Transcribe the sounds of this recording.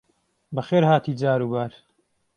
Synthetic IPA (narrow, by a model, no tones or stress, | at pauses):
bɐxeːɾhaːt̪ʰiːd͡zaːɾuːbaːɾ